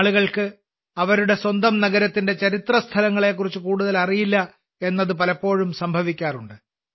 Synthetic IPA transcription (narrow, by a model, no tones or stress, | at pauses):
ɭuɣɐɭkɨ | ɐʋɐɾuɽe̞swɐnd̪ɐmnɐɣɐɾɐt̪ːinde̞t͡ɕɐɾit̪rɐst̪ʰɐlɐŋːɐɭe̞ːk̬ːurit͡ɕːɨkuːɽuðɐlɐrijilːɐ | e̞nːɐðɨpɐlɐpːo̞ːɻumsɐmbʱɐʋikʲːaːruɳɖɨ